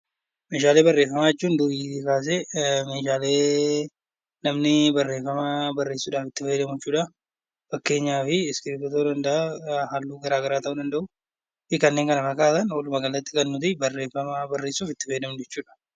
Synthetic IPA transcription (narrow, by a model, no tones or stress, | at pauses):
meːʃaːle̞ːbɐrːeːfːɐmaːɛt͡ʃːuːnd̪ʊʔiːɪkaːs̬ɛme̞ːʃaːle̞ː | nɐmnɪbɐrːeːfːɐmabɐrːe̞ːsːuːᶑaːfɪt̪ːɪfɐjd̪ɐmʊɛt͡ʃːuːᶑɐ | fɐkːe̞ːɲːaːfɪskɪɾt̪ɔt̪oːd̪ɐnd̪ɐʔahalːuːɡɐɾaːɡɐɾaːt̪ɐʔʊᶑ̪ɐnd̪ɐʔʊ | fɪkɐnːeːŋkɐnɐmɐkaːsɐnwɔlʊmɐɡɐlːɐt̪ːɪkɐnːʊt̪ɪbɐrːe̞ːfɐmabɐrːe̞ːsːuːfɪt̪ːɪfɐjd̪ɐmʊd͡ʒɛt͡ʃːuːᶑɐ̥